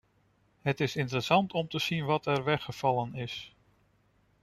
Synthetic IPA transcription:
ɦətɪsɪnt̬əɾəsɑntɔmtəz̥inʋɑtʰɛɹʋɛχəv̥ɑlənɪs

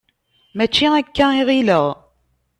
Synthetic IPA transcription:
mæt͡ʃːiækːæiʁiləʁ

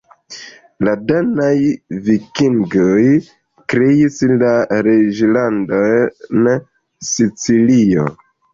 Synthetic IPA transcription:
ladanajvikiŋɡoj | kɾeislaɾed͡ʒlandon | sit͡silio̞̰

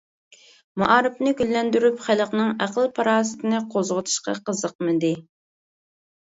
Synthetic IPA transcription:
mɑʔɑːɾɨpnɪɡʲylːɛnd̪yɾypχælˠəqnɨŋæqəlˠpʰɑɾɑːsɨ̥t̪ʰɪnɨqʰozʁʊt̪ʰu̥ʃqɑ̰qʰəzəq̚mɨd̪ɪ

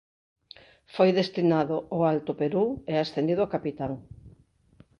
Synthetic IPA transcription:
fojðest̪inaðʊʔoalt̪ʊpeɾueasθend̪iðʊakapit̪aŋ

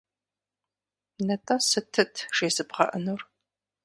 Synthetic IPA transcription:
nɐtʼɐsɨtʰɨtʰʂeːzɨbʁɐ̰ʔənur

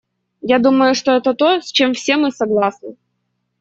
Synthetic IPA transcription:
jad̪uməjʊʂt̪oɛt̪ət̪o̞sʲt͡ɕe̞mfsʲe̞mɨsɐɡlˠasnɨ

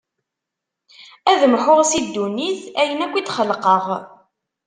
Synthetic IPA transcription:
æðəmħʊʁsid̪ːuniθæjənækʷːid̪χəlqəʁ

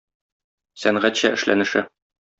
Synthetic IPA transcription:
sæɴʁæt̪ɕæʔɘ̆ʃlʔæ̰nɘ̆ʃɘ

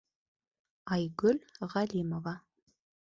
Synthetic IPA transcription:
ajɡɵlʲʁalʲimova

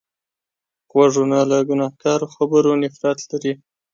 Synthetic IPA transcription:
ɣwaʐonalaɡʊnɑhkɑɾoxabəɾonɪfɾɑt̪laɾi

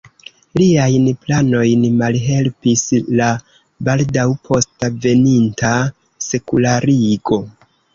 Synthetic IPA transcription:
liajnplano̞jnmalɦe̞lpisla | baldawpʰo̞stave̞ninta | se̞kulaɾiɡo̞

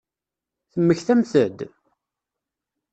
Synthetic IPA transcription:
θəmːəçθæmθəd̪

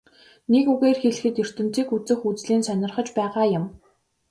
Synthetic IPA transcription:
nekuɣeːrxeɮɘ̆xɘ̆t̪jɵr̥t̪ɘ̆m̥t͡siːkut͡sɘ̆xut͡sɮiːnsœnʲɪ̆rχə̆t͡ɕpæːʁaːjʊm

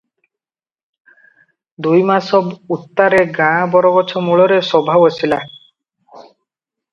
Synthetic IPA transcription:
d̪ujmasɔbut̪ːaɾeɡãbɔɾɔɡɔt͡ʃʰɔmuɭɔɾesɔbʱabɔsʰila

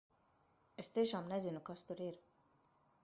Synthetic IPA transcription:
ɛst̪eːʃɑːmnɛzinukɑst̪uɾiɾ

